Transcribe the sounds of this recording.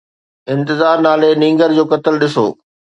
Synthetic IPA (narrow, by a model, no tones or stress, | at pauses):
ɪ̃nt̪ɪzaːɾnaːlenĩːŋɡəɾd͡ʑoːkɐt̪əlɗɪso̰ː